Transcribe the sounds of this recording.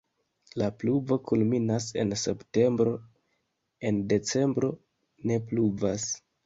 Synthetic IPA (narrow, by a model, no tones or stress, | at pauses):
lapluvo̞kulminase̞nse̞pte̞mbɾo̞ | e̞nde̞t͡se̞mbɾo̞ | ne̞p̬luvas